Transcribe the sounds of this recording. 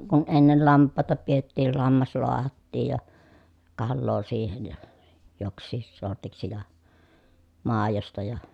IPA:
kun enːel lɑmpˑɑˑetɑ pietːiːl lɑmːɑs loɑhɑtːiːj jɑ kɑlːoː siːhen jɑ joksˑiːs sortiksi jɑ mɑˑejostɑ jɑ

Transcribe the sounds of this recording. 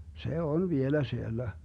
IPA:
se on ʋielæ sielːæ

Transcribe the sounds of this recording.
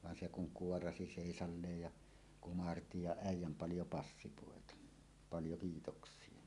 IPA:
ʋɑn se kuŋ kuorɑsi seˑisɑlːeːj jɑ kumɑrti jɑ æijˑæm pɑljo pɑsːipoˑetɑ pɑljo kiːtoksˑie

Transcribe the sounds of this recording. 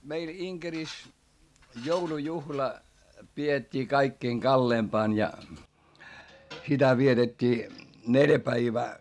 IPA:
meil iŋkeris joulujuhlɑ pietʲːiː kɑikːiːŋ kɑlːeːmpɑːn jɑ sitæ ʋietetʲːiː neljæ pæiʋæː

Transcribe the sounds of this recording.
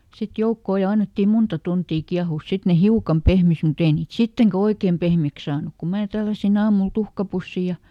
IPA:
sit joukːoˑ jɑ ɑnːetːim muntɑ tuntiː kiɑhuˑs sit ne hiukɑm pehmis mut ei niːt sitːeŋkæ oikeːm pehmiæks sɑːnuk ku mæː tælːæsin ɑːmul tuhkɑpusːi jɑ

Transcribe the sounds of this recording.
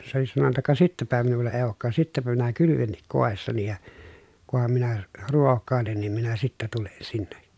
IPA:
se oli sɑnonːɑ kɑ sitːæpæ minulːɑ eˑi̯ oːkːɑːs sitːæpæ minæ kylyʋenːik koˑesːɑni jɑ kuhɑm minæ ruokːɑˑelen nim minæ sitːæ tulen sinːe

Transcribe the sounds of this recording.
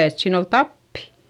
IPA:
et siːn ol tɑpːi̥

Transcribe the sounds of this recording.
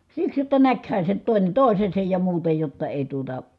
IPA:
siks jotːɑ nækhæ se nyt toˑine toˑisesej jɑ muːtɑ jotːɑ eˑi tuotɑ

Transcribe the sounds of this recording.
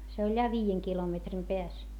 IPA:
se olʲ jɑ ʋiːjeŋ kilometrim peæs

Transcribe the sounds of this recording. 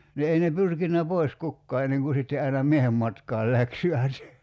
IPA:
ni ei ne pyrkinːæ pois kukːɑː enːeŋ ku sitːe ɑinɑ miehem mɑtkɑːl læksʲiʋæt

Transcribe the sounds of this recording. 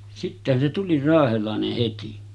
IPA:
sitːehæn se tuli rɑːhelɑˑeneh heti

